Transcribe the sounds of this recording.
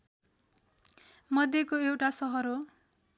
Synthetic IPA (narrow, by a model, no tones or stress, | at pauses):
mʌd̪ʱjekoewʈasʌɦʌɾo